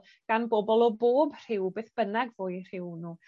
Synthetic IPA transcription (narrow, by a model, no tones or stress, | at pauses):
ɡ̥anboːbɔlˠɔboːbr̥ɪwbeːθb̥ənɛɡvoːɨr̥ɪwnuː